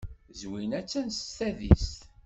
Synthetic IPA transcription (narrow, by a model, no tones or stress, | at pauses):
zwinæt͡sːænsθæðḭs